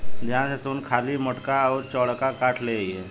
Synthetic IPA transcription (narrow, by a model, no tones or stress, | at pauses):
d̪jãsasuːnkʰaliːmɔʈkaəʋɾt͡ɕɔɭkakaʈʰleje